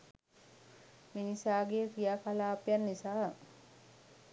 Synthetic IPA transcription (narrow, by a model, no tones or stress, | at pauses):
minisaːɡekijaːkalaːpjanːisaː